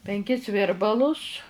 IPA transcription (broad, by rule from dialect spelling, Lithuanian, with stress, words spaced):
pʲɛŋʲˈkʲɪs ˈʋʲɪrbɐlˠʊs